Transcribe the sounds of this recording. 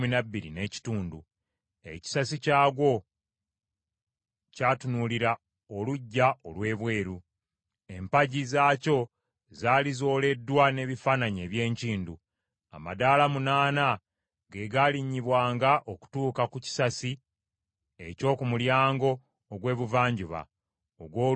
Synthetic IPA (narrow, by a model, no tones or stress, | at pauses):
minabːiɾḭne̞ci̥tuːndu | e̞̰ci̥sasicaːɡwo̞ | caːtunuliɾa | oluɟːao̞lwe̞ːβwe̞ːɾu | e̞mpaɟizaːco̞ | zaːlizo̞ːle̞dːwane̞βifaːnaɲe̞ːβje̞ːɲciːndu | a̰ma̰daːlamunaːna | ɡe̞ɡaliɲːiβwaːŋɡaʔoku̥tuːkakuci̥sasi | e̞̰co̞ːkumuljaːŋɡo̞ː | ɡwe̞ːβuvaːɲɟuβa̰ | oɡwoː